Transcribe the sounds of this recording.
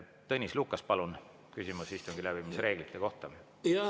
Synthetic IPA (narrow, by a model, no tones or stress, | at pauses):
t̪ɤnʲislukːˑɑspɑlun | kysʲimusist̪uŋɡilæbimisɾe̞ːɡ̥lit̪ːˑe̞ko̞ht̪ɑ | jɑ